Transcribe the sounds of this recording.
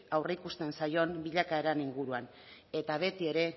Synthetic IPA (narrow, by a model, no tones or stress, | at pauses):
awreikust̪e̞nsajo̞nbiʎakaeɾaniŋɡuɾuan | e̞t̪aβ̞e̞t̪ie̞ɾe̞